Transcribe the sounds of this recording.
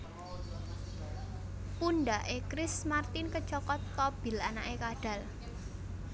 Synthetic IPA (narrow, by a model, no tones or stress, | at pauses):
punɖaʔekɾɪsmart̪ɪnkə̥t͡ʃɔkɔt̪̚kɔb̥ɪ̤lanaʔekaɖ̥ä̤l